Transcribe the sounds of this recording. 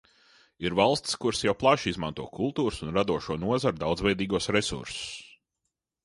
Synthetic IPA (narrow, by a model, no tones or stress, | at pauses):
iɾvalˠst̪skuɾsjawplˠaʃizmãnt̪uɔkʰulˠt̪uːɾʊsunɾad̪uɔʃuɔnuɔzaɾd̪awd̪zvɛjd̪iːɡuɔsɾɛsṵɾsʊ̥s